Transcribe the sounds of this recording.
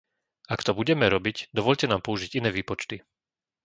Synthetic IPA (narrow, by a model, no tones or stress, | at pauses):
akt̪ɔbuɟɛmɛɾɔbicd̪ɔʋɔʎcɛnaːmpɔuʒiɟinɛːʋiːpɔt͡ʃt̪i